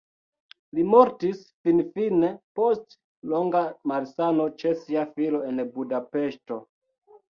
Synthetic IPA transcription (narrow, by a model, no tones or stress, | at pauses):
limoɾtisfinfinepo̞st | lo̞ŋɡamaɾsano̞t͡ʃe̞siafilo̞enbudape̞ʃto̞